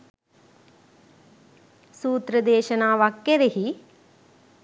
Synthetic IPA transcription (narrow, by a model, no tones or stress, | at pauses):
suːt̪ɾɐd̪eːʃɐnaːʋakːeɾeɦi